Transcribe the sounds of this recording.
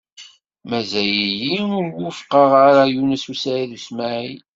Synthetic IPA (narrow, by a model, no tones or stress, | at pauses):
mæzæjijiʊɾwʊfqəʁaɾajunəsusaɾiðusmaʕi